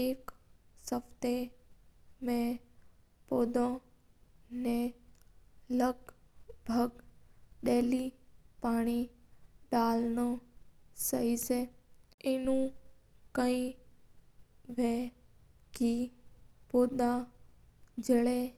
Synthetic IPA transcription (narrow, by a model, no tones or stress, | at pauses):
eːksəpt̪e | mẽ | pod̪õ | ne | ləɡbʱəɡɗeːlipaːɽ̃iɗaːlno | səɦiseenũkəĩ | ʋẽ | ki | poːd̪a | d͡ʒəɭe